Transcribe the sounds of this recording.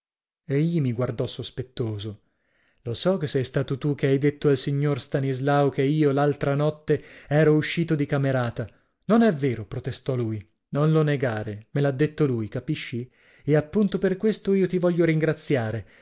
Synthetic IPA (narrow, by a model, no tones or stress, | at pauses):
eʎːimiɡward̪ɔsospet̪ːoːzo | losɔk̟esːɛjst̪aːt̪ot̪uk̟eajd̪et̪ːoalsiɲːorst̪anizlaokeiːolalt̪ɾanɔt̪ːeɛːɾouʃːiːt̪od̪ikameɾaːt̪a | nonɛvːeːɾopɾot̪est̪ɔluːj | nonloneɡaːɾemelad̪ːet̪ːolujkapiʃːi | eapːunt̪operkwest̪oiːot̪ivɔʎːoɾiŋɡɾat̪sjaːɾe